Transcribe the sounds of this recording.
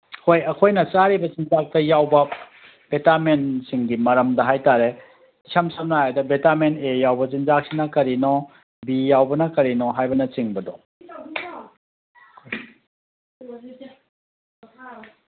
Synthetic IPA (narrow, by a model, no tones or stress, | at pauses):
hʰojɐkʰojnɐt͡ʃaɾibɐt͡ʃinzak̚tɐjawbɐ | b̥etamensiŋɡimɐɾɐmdɐɦajtaɾe | sɐmsʰɐmnaɦajadɐbetamenejawbɐt͡ʃinzak̚sinɐkɐɾinɔ | bijawbɐnɐkɐɾinɔɦajbɐnɐt͡ʃiŋbɐdɔ